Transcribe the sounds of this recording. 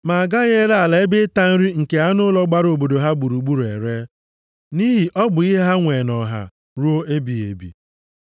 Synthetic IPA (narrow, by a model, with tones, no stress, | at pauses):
ma˨a˨ɡa˦ɣe˦ɾa˨la˨e˦be˦ta˦n̩˦ɾi˦ŋ̩˨ke˨a˦nʊ˦lɔ˦ɡ͡ba˦ɾo˨bo˨do˨ɦa˦ɡ͡bu˨ɾu˨ɡ͡bu˦ɾu˨e˨ɾe˦ | ni˦ɦi˨ʔɔ˦ɡ͡bʊ˨i˦ɦe˦ɦa˦ŋʷe˨nɔ˨ɦa̰˨ | ɾu˦o˦ʔe˦bi˨ḛ˨bḭ˨